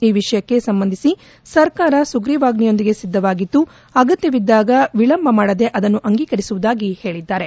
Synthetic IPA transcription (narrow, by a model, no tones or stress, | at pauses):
iːʋiʂɐjɐkːe̞sɐmbɐnd̪ʱisi | sɐɾkaːɾɐsuɡɾiːʋaːɡnijo̞nd̪iɡe̞sid̪ʱːɐʋaːɡit̪ːu | ɐɡɐt̪jɐʋid̪ːaːɡɐʋiɭɐmbʱɐmaːɽɐd̪e̞ʔɐd̪ɐnːuʔɐŋɡiːkɐɾisuʋud̪aːɡihe̞ːɭid̪ːaːɾe̞